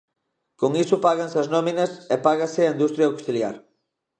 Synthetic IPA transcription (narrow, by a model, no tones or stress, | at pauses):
koŋisʊpaɣɐnsɐznɔminɐsepaɣasɪɐind̪ust̪ɾjaoksilja̰ɾ